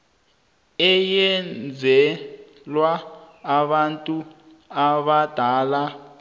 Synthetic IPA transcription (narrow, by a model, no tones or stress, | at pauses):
ɛjɛnd͡zʱɛ | lwaː | βantʼu | aβad̥ʱaːla